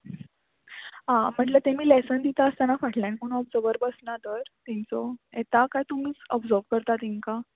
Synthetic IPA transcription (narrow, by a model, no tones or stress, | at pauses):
ɦãm̤əɳʈlət̪emiːlesənd̪it̪aəst̪anafaʈʰljãɳkoñuɔbd͡zɔɾbəɾbəsnad̪əɾt̪ɛ̃nt͡sɔet̪akajt̪um̤iːt͡sɔbd͡zɔɾbkəɾt̪at̪iŋka